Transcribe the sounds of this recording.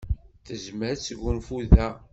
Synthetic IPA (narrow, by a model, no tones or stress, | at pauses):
θəzməɾt͡sːəɡunfuðæ